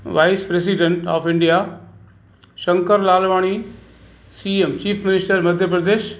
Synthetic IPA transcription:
ʋaːɪspɾes̬iɖẽɳʈɔ̰ːfɪ̃ɳɖija | ʃɐ̃ŋkəɾlaːlʋaːɽ̃i | siːemt͡ʃiːfʰmɪnɪsʈəɾmɐd̪ʱjəpɾəd̪eːʃ

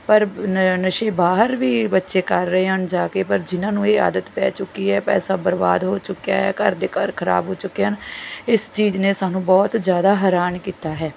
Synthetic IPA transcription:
pəɾnəʃeːbaːɦəɾʋiːbətːʃeːkəɾːɦeɦənd͡ʒaːkeːpəɾd͡ʒɪnãːnũːeːa̰ːd̪ət̪pɛ̰ːt͡ʃʊkːiɦɛːpɛ̰ːsaːbəɾba̰ːd̪ɦoːt͡ʃʊkja̰ːɦɛːkəɾd̪ekəɾkʰəɾa̰ːbɦoːt͡ʃʊkeənɪst͡ʃiːd͡ʒneːsaːnũːbɔːt̪zjaːd̪aːɦɛːɾaːnkiːt̪aːɦɛː

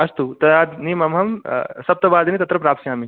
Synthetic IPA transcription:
ɐst̪ut̪ɐd̪aːd̪nimɐmɦɐmsɐp̚t̪ɐbaːd̪ɐnit̪ɐt̪ɾɐpɾaːpsjaːmi

